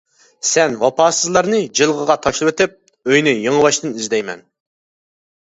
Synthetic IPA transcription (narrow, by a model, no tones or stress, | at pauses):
sɛnwɑpʰɑːsɨzlˠɑɾnɨd͡ʒɨlˠʁəʁɑt̪ʰɑʃlˠɨpet̪ɪp̚ | øjnyjəŋəwɑʃt̪ɨnizd̪ɛjmɛ̰n